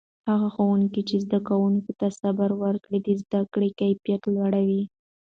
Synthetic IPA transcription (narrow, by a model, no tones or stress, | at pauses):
haɣaxowuŋkit͡ʃezd̪akawuŋkot̪asabaɾwəɾkɽid̪izd̪akɽekajpjat̪lwaɽawi